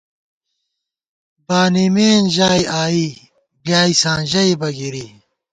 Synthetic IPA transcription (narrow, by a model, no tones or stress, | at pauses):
baːnimeːnʑaːiaːi | bjaːisãːnʑɐibɐɡiɾi